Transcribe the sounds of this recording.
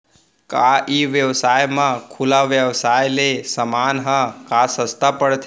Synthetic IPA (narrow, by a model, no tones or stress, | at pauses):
kaiʋjəʋsajmãkʰulaʋjəʋsajlesəmanɦə̃kasəst̪apəɽt̪ʰ